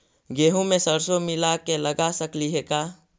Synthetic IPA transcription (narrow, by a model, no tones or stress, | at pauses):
ɡeːɦũmẽsəɾsomɪlakeləɡasəkliɦekaː